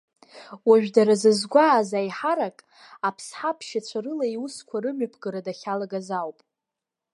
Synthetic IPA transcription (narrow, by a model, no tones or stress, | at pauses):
waʒᶣdaɾazɨzɡʷaːzajħaɾakʼ | apʰsħapʰʃat͡ɕʷʰaɾɨlaiuskʷʰarɨmapʰɡɨɾadaχʲalaɡazawpʼ